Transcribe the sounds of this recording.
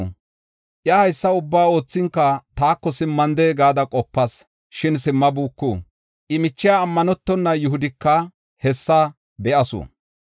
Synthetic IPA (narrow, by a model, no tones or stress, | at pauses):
ʔjɐhɐjsːɐʊbːaːo̞ːt͡sːɪŋkːɐt̪aːkːɔsɪmːɐnd̪eːɡaːd̪ɐkʼɔpːɐs | ʃɪnsɪmːɐbuːkːṵː | ʔɪmɪt͡ʃːɪjaːmːɐnɔt̪ːɔnːɐjʊɦʊd̪ɪkːɐ | hɛsːɐ | bɛʔɐsʊ̰ː